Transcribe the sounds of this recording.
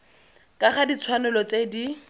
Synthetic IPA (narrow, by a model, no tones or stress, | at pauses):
kʼaχadit͡sʰwanʊlɔt͡sedi